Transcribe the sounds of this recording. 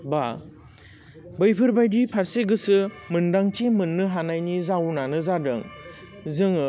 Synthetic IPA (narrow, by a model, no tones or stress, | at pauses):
ba | bɯjpʰɯɾbajdipʰaɾseɡɯsɯmɯndaŋtʰemɯnːɯɦanajnizawnanɯzadɯŋzɯŋ